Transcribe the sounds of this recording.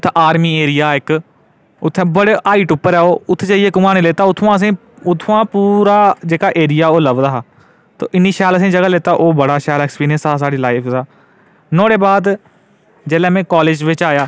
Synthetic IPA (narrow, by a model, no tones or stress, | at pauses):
ʊt̪ʰːaːɾmiːeːɾɪjaːɪk | ʊt̪ʰːẽːbəɽʔaːiːʈʊpːəɾɛːoːʊt̪ʰːt͡ʃaieːkʊmãːneːleːt̪aːʊt̪ʰʋãːəs̬ĩː | ʊt̪ʰːoãːpuːɾaːd͡ʒeːkaːʔeːɾɪjaːoːləʋd̪aːɦaː | t̪o̰ːʔɪniːʃaːləs̬ĩːd͡ʒəɡaːleːt̪aːʔoːbəɽaːʃaːlɛːkspiːɾə̃nsaːs̬aːɽiːlaːɪpʰzaː | nõːɽeːbaːd̪ | d͡ʒɛːlɛ̃ːmẽːkaːleːd͡ʒʋɪt͡ʃaːjaː